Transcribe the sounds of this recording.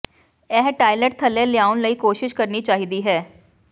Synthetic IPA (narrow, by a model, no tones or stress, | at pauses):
ɛːɦʈaːɪləʈt̪ʰəlẽːlɪjaːʊnləiːkoːʃɪʃkəɾniːt͡ʃaːɦiːd̪iːɦɛː